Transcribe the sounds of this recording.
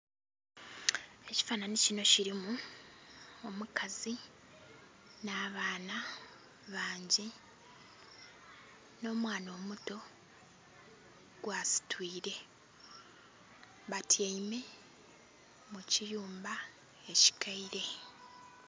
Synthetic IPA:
e̞ci̥faːnanicino̞ciɾimu | omukʰazi | naːβaːna | βaːɲɟi | no̞ːmwaːno̞ːmuto̞ | ɡ̥waːsi̥twiːɾe̞ | βatʰjaime̞ | mucijuːmba | e̞ci̥kʰaiɾe̞

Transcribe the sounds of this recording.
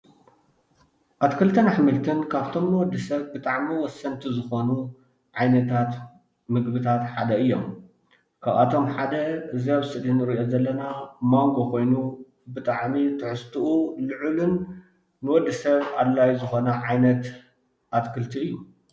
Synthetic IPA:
ʔat̪kʰɨlt̪ʰɨnaħmɨlt̪ʰɨnkʰaβt̪ʰo̞mnɨwɔd̪ːɨsɐβbɨt̪ʼaʕmiwɔsːɐnt̪ʰizɨxo̞nu | ʕajnɐt̪ʰat̪ | mɨɡbɨt̪ʰat̪ħad̪ɐɨjːom | kʰaβa̰t̪ʰo̞mħad̪ɐɨziaβsɨd̪inɨɾɨʔozɐlːɐnamaŋɡo̞kʰo̞jnu | bɨt̪ʼaʕmit̪ʰɨħɨst̪ʰuʔulɨʕɨlɨnː | ɨwɔd̪ːɨsɐβad̪lːajuzɨxo̞nɐʕajnɐt̪ | ʔat̪kʰɨlt̪ʰiɨjːu

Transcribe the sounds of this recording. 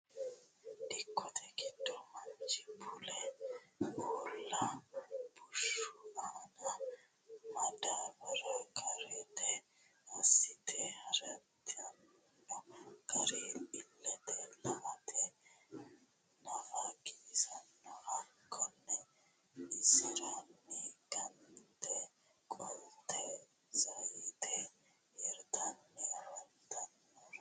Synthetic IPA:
dɪkːɔt̪ʰɛɡɪd̪ːɔmɐnt͡ʃɪbʊlɛ | ʔolːɐb̥ʊʃʊaːnɐ | mɐd̪abɐɾɐkʰʼɐɾɛt̪ɛ | ɐsːɪt̪ʰɛhɐɾɐt̪ːɪɐn | nːɔkʰʼɐɾeːɪlːɛt̪ɛlɐwɐt̪ʰɛ | nɐfaɡiːsɐnːɔhɐkʰːɔnːɛ | ɪsɪɾanːiɡɐnt̪ɛ | kʼɔlt̪ʰɛ | zɐjɪt̪ʰɛ | ɛɾt̪ʰɐnːɛɾɛt̪ʰɐnːɔɾ

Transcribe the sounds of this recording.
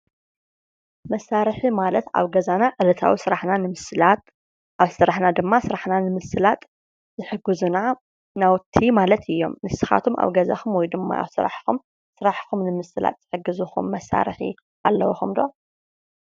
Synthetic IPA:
mɐsːaɾħimalɐt̪a̰βɡɐzanaʕɨlɐt̪ʰa̰wisɨɾaħnanɨmɨslat̪ | ʔaβsɨɾaħnad̪ɨmːasɨɾaħnanɨmɨsɨlat̪ʼ | zɨħɨɡɨzuna | nawt̪ʰimalɐt̪ʰɨjːo̞̰mnɨsɨxa̰t̪ʰumʔa̰βɡɐza̰xumwɔjd̪ɨmːa̰ʔa̰βsɨɾa̰ħxum | sɨɾaħxumnɨmɨsɨla̰t̪̚ʼz̥ɨħɨɡːɨzuxṵmːɐsa̰ɾħḭ | ʔalːɐwuxumd̪o̞̰

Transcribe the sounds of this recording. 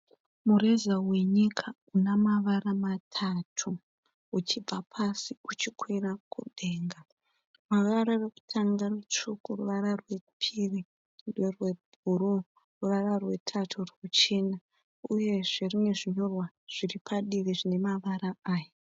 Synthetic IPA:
murezawe̞ɲikʰa | unamaʋaramatʰatʰu | ut͡ʃib͡vapʰasiut͡ʃikʰwirakuɗe̞ːŋɡa | maʋaɾareku̥tʰaŋɡarut͡ʃukuruʋaɾarwe̞pʰiri | dwerwe̞bʱuɾo | ruʋararwe̞tʰatʰurekut͡ʃe̞na | uje̞ʐerine̞ʐiɲo̞rwa | ʐ̥iripʰaɗiriʐine̞maʋaɾaaːja

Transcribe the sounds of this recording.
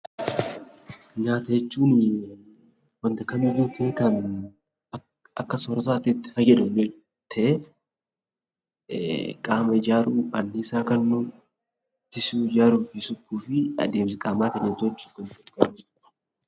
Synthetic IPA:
ɲaːt̪ɐjɛt͡ʃːuːn | wɐnd̪ɐkɐmɪvuːt̪ʰeːkɐn | ɐkːɐsɔɾɔt̪aːt̪ɪt̪ːɪ̥fɐɡɛᶑʊmne | t̪ʰɐʔɛ | kʼaːmɐɪd͡ʒaːɾuːɐ̰nːiɪsaːkɐnːuː | t̪ɪsuːd͡ʒaːɾuːɪsʊbːuːfɪɐ̰d̪eːmsɪkʼaːmaːkɐɲːɐt̪t͡ʃːu̥ːfkɐnt̪ʊt̪ɡɐɾuː

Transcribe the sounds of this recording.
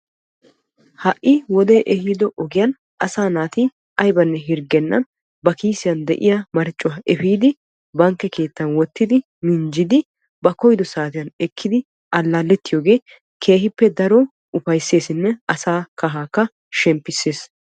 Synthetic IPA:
hɐʔːɪwɔd̪eːʔɛhiːd̪ɔʔɔɡɪjɐn | ʔɐsaːnaːt̪i | ɐjbɐnːɛɦɪɾɡɛnːɐ̰n | bɐkiːsɪjɐnd̪ɛ̰ʔɪjamɐɾt͡ʃʼːʊwɐʔɛfiːd̪ɪ | bɐŋkːɛkʰe̞ːt̪ːɐnwɔt̪ːɪd̪ɪ | mɪnd͡ʒɪd̪ɪ | bɐkɔjd̪ɔsaːt̪ɪjɐnɛkʰːɪd̪ɪ | ʔɐlːaːlːɛt̪ːɪjoːɡe̞ː | kʰe̞ːɦɪpːɛd̪ɐɾɔ | ʊfɐjsːe̞ːsɪnːɛɐsaːkɐɦaːkːɐ | ʃɛmpːɪsːe̞ːs

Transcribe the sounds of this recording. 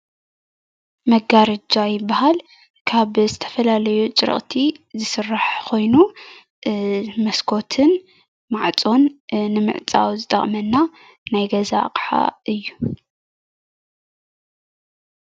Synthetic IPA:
mɐɡaɾɐd͡ʒajɪbːaɦal | kʰaβzɨt̪ʰɐ̥fɐlalɐjut͡ʃʼɨ̰ɾ̰χʼt̪ʰizɨsɨrːaħkʰo̞jnu | mɐskʰo̞t̪ʰɨn | maʕt͡sʼo̞nːɨmɨ̰ʕt͡sʼa̰wzɨt̪ʼɐ̰χʼmɐnːa | najɡɐza̰qʼħa̰ɨjːu

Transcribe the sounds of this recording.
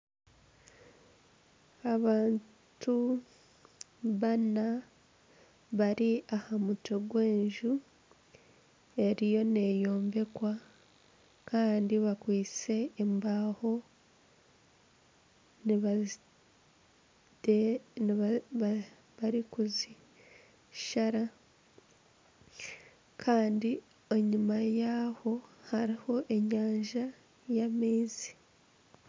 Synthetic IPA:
aβaːn | tu | βana | βaɾiʔahamuto̞ɡwe̞ːnʒu | e̞ɾijo̞ne̞jo̞ːmbe̞kwa | kaːndiβakwiːt͡se̞ːmbaːho̞ | niβa | den | βaɾikuzi | ʃaɾa | kʰaːndi | eɲumajaho̞haɾiho̞ʔe̞ɲaːɲʒa | jamiːzi̥

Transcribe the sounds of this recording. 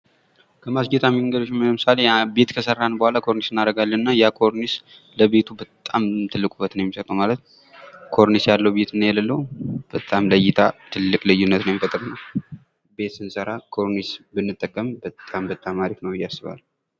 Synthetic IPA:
kʰəmasɡet̪ʰʼamiŋɡəd̪oʃməmɨsalebet̪kʰəsərːanəbəhʷalakʰo̞ɾnisɨnːaɾəɡalːənɨnːajakʰo̞ɾnis | ləbe̞t̪ʰubət̪ʼamt̪ʰɨlːɨkʼubːət̪nəwjɛmːisət̪ʼowmalət̪ | kʰo̞ɾnisjalːəwbe̞t̪ɨnjɛlalːəwb̥ət̪ʼamləjɪt̪ʰat̪ʰɨlːɨkʼlɨjːunːət̪nəwjemifət̪ʼɾɨnːa | be̞t̪sɨnsʼəɾakʰo̞ɾnisbɨnːɨt̪ʼːəkʼːəmbət̪ʼambət̪ʼːamaɾifnəwɨjːasːɨβa̰l

